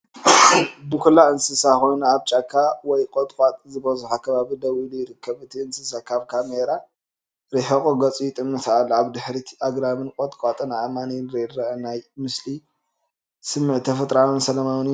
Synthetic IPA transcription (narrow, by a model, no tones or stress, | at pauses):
bɨkʰulːaʔɨnsɨsako̞jnuaβt͡ʃʼakʰːawɔjkʼot̪ʼkʼat̪ʼzɨbɐzuħakʰɐβaβid̪ɐwilujɪɾɨkʰːɐβɨt̪ʰiɨnsɨsakʰaβkʰameɾa | ɾiħɐkʼoɡɐt͡sʼujɪt̪ʼɨmːɨt̪ʰalːaβd̪ɨħɾiaɡɾamɨnkʼot̪ʼkʼat̪ʼɨnʕamaninɾedɾɐʔɐnajmɨsli | sɨmːɨʕt̪ʰːɐfɐt̪ʼɾawɨnsɐlɐmawn